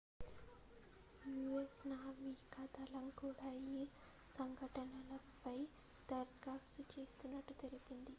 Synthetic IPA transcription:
juesnaːʋikɐd̪ɐlɐmkuːɽaːi | sɐŋɡʱɐʈɐnɐlɐpɐj | t̪ɐɾɡaːpsit͡ʃe̞ːst̪unːɐʈːut̪elipind̪i

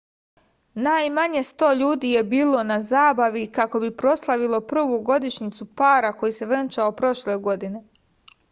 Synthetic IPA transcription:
najmaɲe̞st̪o̞ːʎuːd̪iːje̞biːlo̞nazaːbaʋikako̞bipɾo̞slˠaʋilo̞pr̩ʋuɡo̞d̪iʃɲit̪supaːɾako̞jise̞ʋɾent͡ʃaopɾo̞ʃleɡo̞d̪ine̞

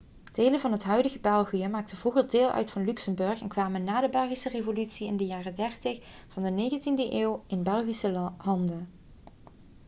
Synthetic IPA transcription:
d̥ejlənvɑnɦətɦœɥdəɣəbɛlˠɣijəmaːk̚təvuɣərdeːlˠʔœ̰ɥtfɑnlyksəmbɵɹxɛnkʋaːmənːaːdəbɛlˠɣisərevolytsiɪ̰ndəjaːrədɛɹtɪx | v̥ɑndənejɣəntindəʔeːwɪnbɛlˠɣisəɦɑndə

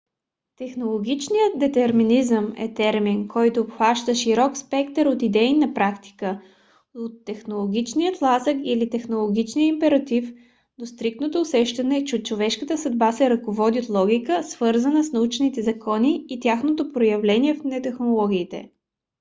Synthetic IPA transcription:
t̪ɛxnolˠoɡʲit͡ʃnijət̪̚d̪ɛt̪ɛɾminizəmɛ̰t̪ɛɾminkɔjt̪oːpxvaʃt̪əʃiɾɔkspɛkt̪əɾot̪id̪ɛinɐpɾakt̪i̥kə | ot̪ːɛxnolˠoɡ̟ʲit͡ʃnijət̪lˠazəkilit̪ɛxnolˠoɡʲit͡ʃnijəimpɛɾɐt̪if | d̪ost̪ɾik̚t̪not̪oːsɛʃt̪ɐnɛt͡ʃɛot͡ʃovɛʃkət̪əsɐd̪basɛɾɐkovɔd̪iot̪lˠɔɡʲikəsv̥ɤɾzənəsnɐut͡ʃnit̪ɛzɐkʰɔniːt̪ʲjaxnot̪opɾojɐvlɛniɛfnɛt̪ɛxnolˠɔɡ̟ʲiːt̪ɛ̰

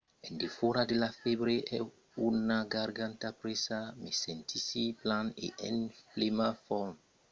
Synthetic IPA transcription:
endefoɾadelafebɾeʔɛ | unaɡaɾɡant̪apɾesamesent̪ʰisiplanḛʔḛnflemafɔm

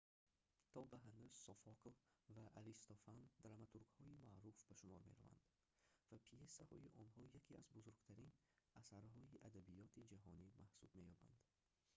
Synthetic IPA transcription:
t̪ʰɔbaɦanuzsɔfɔkɔvvaʔːɾist̪ɔfand̪ɾamat̪ʰuɾɡhɔimaʔɾufbaʃumɔɾmeɾa̰va̰nd̪̥ | vapʰiesahɔ̰iʔɔnhɔjakʰiazbuzuɾɡt̪ʰaɾin | asaɾɦɔiʔad̪abijɔt̪ʰid͡ʒaɦɔ̰nimahsubme̞jɔba̰nd̪̥

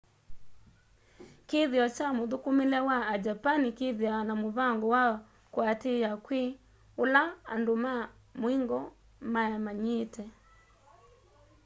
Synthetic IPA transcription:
keðiɔt͡ʃamoðukumelɛwaad͡ʒapanikeðianamoβaŋɡɔwa | kwatejakwe | ola̰ːndoma | moiŋɡɔ | majamaɲetɛ

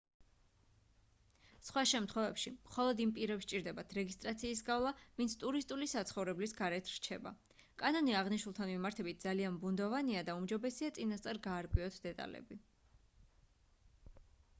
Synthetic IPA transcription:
sχwaʃɛmt̪ʰχwɛvɛpʃimχɔlˠɔd̪impʼiɾɛpst͡ʃʼiɾd̪ɛbat̪ʰɾɛɡist̪ʼɾat̪sʰiːsɡavlˠavint̪sʰt̪ʼuɾist̪ʼulisat̪sʰχɔvɾɛblisɡaɾɛt̪ʰɾ̥t͡ʃʰɛba̰ | kʼanɔniaʁniʃwulˠt̪ʰanmimaɾt̪ʰɛbit̪̚ʰd̪alianbund̪ɔvaniad̪aumd͡ʒɔbɛsiat̪sʼinast̪sʼaɾɡaːɾkʼwiɔt̪ʰd̪ɛt̪ʼa̰lɛ̰bi

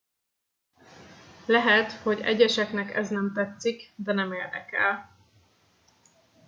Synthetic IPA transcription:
lɛɦɛt̪ho̞ɟɛ̰ɟɛʃɛknɛkɛ̰znɛmt̪ɛt̪sikd̪ɛnɛmeːrd̪ɛ̰kɛ̰l

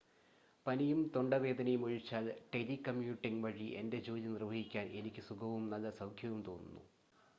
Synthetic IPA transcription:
pɐnijumt̪o̞ɳɖɐʋe̞ːd̪ɐnɐjumuɻit͡ɕːaːlʈelikɐmjuːʈːiŋʋɐɻiʔe̞nde̞d͡ʑoːlinirʋɐɦikʲːaːnʔe̞nikʲːɨsuɡɐʋumnɐlːɐsɐwkʰjɐʋumt̪o̞ːnːunːu

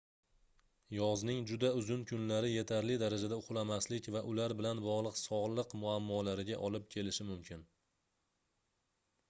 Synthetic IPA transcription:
jɒznɪŋd͡ʒʊd̪aʊzʊnkʰʊnlaɾɪje̞t̪ʰaɾlɪd̪aɾad͡ʒad̪aʊqlˠamaslɪkʲvaʔʊlaɾbɪlanbɒʁlˠɨqsɒʁlˠɨqmʊamːɒlaɾɪɡʲaʔɒlɪp̚kʲʰe̞lɪʃɪmʊmkʲʰɪn

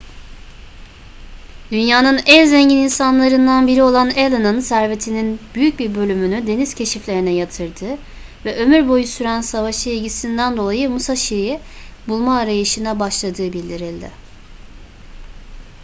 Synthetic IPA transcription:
d̪̥ynjaːnɯnænzeɲɟininsanlˠaɾɯnd̪anbiɾio̞lˠanelˠɯnɯnsæɾve̞t̪ʰininbyjyc̚biɾbø̞lʲymynyd̪e̞nizcʰe̞ʃiflʲe̞ɾinɛjat̪ʰɯɾd̪ɯ | vɛʔø̞myɾbo̞jusyɾænsavaʃɯelʲɟisind̪ænd̪o̞lˠajɯmusaʃiɾijɛbulˠmaːɾajɯʃɯnabaʃlˠad̪ɯːbilʲd̪iɾilʲd̪ɪ̰

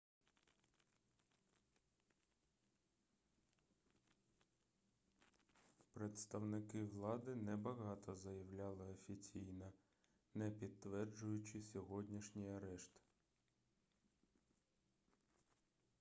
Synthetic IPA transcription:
pɾet̪st̪ɐwnɪkɪʋlˠɑd̪ɪnɛbɐɦɑt̪ɔzɐjɐwlʲɑlˠɪɔfʲit͡sʲijnɐ | nɛpʲid̪t̪ːʋɛrd͡ʒʊjʊt͡ʃɪsʲɔɦɔdʲnʲiʃnʲijɐɾɛʃt̪

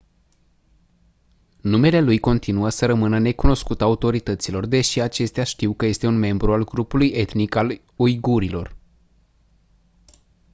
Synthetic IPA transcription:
nume̞le̞lujko̞nt̪inuəsəɾəmɨnəne̞kuno̞skut̪aut̪o̞ɾit̪ət̪silo̞rd̪e̞ʃiat͡ʃe̞st̪eaʃt̪iwkəje̞st̪e̞unme̞mbɾualɡɾupuluje̞t̪nikal | ojɡuɾilo̞̰r

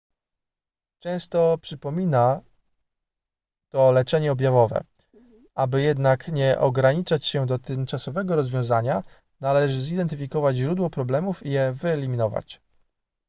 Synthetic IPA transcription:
t͡ʂɛ̃w̃st̪ɔpʂɘpɔmʲina | t̪ɔlɛt͡ʂɛɲɛɔbʲjavɔvɛ̰ | abɘjɛd̪nakɲɛʔɔ̰ɡɾaɲit͡ʂat͡ɕɕɛd̪ɔt̪ɘmt͡ʂasɔvɛɡɔɾɔzvʲjɔ̃w̃zaɲa | nalɛʐɘzid̪ɛnt̪ɘfʲikɔvad͡ʑʑɾud̪wɔpɾɔblɛmufijɛvɘɛlʲimʲinɔva̰t͡ɕ

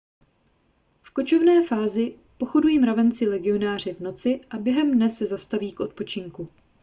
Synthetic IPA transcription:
fko̞t͡ʃo̞vnɛːfaːzɪ | po̞xo̞dujiːmɾavɛnt͡sɪlɛɡɪo̞naːr̝ɪvno̞t͡sɪʔabjɛɦɛmdnɛsɛzast̪aviːkʔo̞t̪̚po̞t͡ʃɪŋku

